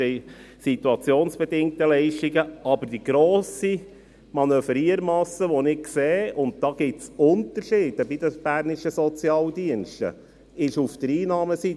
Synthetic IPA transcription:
ɛɪ | sit̪uɑt͡sjoːnsb̥ɛdɪŋk̚təlɛɪʃtiɡəʔɑbəɾd̥iɡ̥ɾoːsi | mɑnøfəɾiəɾmɑsəʋonɪkkseːʊnt̚d̪̥ɑːɡ̥ɪtsʊnt̪əɾʃiːd̥əbid̥̪əb̥æːɾnɪʃəsɔt͡sjɑːld̪iənʃtə̰ | ɪʃufd̥̪əɾiːnɑːməsi

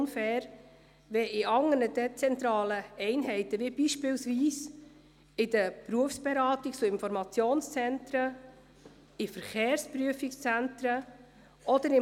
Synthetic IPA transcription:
nfɛːɾ | ʋɛɪɑŋənədɛt͡sɛnt̪ɾɑːləɛɪnɦɛɪtəʋibiːʃpɪlsʋiːs | ɪdəpɾuəfsb̥ɛɾɑːt̪ɪkt͡sʊɪnfɔɾmɑt͡sjoːnst͡sɛntɾə | ɪfəɾχeːɾspɾyəfɪkst͡sæntɾə | ɔd̥̪əɾɪ

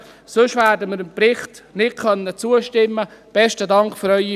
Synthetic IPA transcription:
sʊʃvæːdəmɪɾəmprɪχtnɪt̚kʰœnːət͡suəʃtɪmːəb̥ɛʃtədɑŋkfyɾœʏi

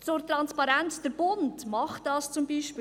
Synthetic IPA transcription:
t͡soɾt̪ɾɑnspɑɾɛnt͡sd̥əɾb̥ʊntmɑχtdɑːst͡sʊmbiːʃpː

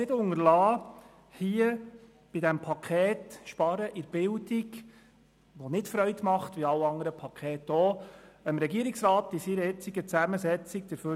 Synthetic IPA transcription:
ɪdʊŋəɾlɑː | hiːə | b̥ɪdæmpʰɑkʰɛːtʃpɑɾəʔɪɾb̥ɪldɪɡ | ʋonɪtfɾœɥtmɑχtʋiɑwɑŋəɾəpʰɑkʰɛːtːoːəmɾɛɡiəɾɪksɾɑːt̪ɪsɪɾəɛt͡siɡət͡sæməsɛt͡sik̚d̥̪əɾfø

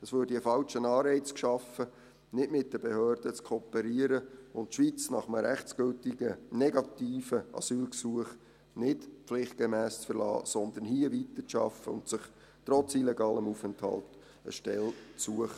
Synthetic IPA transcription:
əsʋøːɾdiəfɑlt͡ʃənɑːɾɛɪt͡skʃɑfə | nɪtmɪt̚d̥əbehøːrd̥ət͡skʰɔːpɛɾiəɾəʊntʃʋit͡snɑ̰χəməɾæχt͡sɡ̥ʏltɪɡ̥ənɛɡɑt̪iːfəʔɑ̰syːlksuəχ | nɪtflɪχt̚ɡ̥emæːst͡sfəɾlɑ̰ːsɔnd̪ənhiəvit̪ət͡sʃɑ̰fəʊ̰ntsɪχ | t̪ɾɔt͡silɛɡɑːləmufɛnthɑ̰lt | ə̰ʃtɛlt͡suəχə

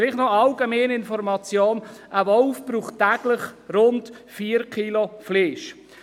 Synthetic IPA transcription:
lɪχtnɔɑlɡɛmeːnɪnfɔɾmɑt͡sjoːnʔəvɔlfb̥ɾuːχttːɛɡ̥ləχɾʊnt | fiːəɾkʰilofleːʃ

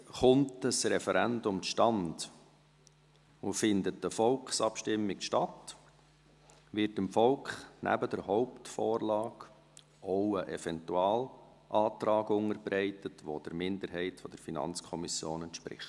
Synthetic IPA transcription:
χʊntəsɾɛfɛɾændʊmʃtɑnd | ufɪndət̚d̥əfɔlkχsɑpʃtɪmːɪkʃtɑt | ʋɪɾtəmfɔlkχnʔæ̰bədəɾɦɔʊptfɔːrlɑːɡ̥ | oʊəʔɛfɛntuɑːl | ʔɑːtɾɑːɡʊŋəɾbɾɛɪtətʋo̰d̥əɾmɪnd̪əɾɦɛɪtfɔd̥əɾfinɑ̰nt͡skʰɔmisjo̰ːnɛntʃpɾɪ̰χt

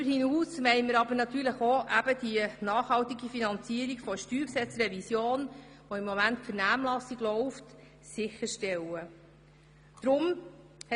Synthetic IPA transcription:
əɾhinuːsʋɛɪməɾɑbənɑt̪yːɾləχoʔæb̥əd̥iənɑːχhɑltiɡifinɑnt͡siəɾikfɔʃtyːɾpsɛt͡srɛvisjoːn | ʋoɪmːɔmæntfəɾnæːmlɑsiɡlɔʊft | sɪxəɾʃtɛlə | d̥ɾʊm

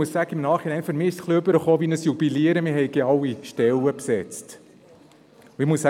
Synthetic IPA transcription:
ussæɡəɪmnɑːχɪnɛɪnføɾmɪːɪʃsχliøbəɾəχoːʋinəsjubiliəɾəmɪɾɦhɛɪɡeɑlːiʃtɛləpsɛt͡st | uɪmuəsæ

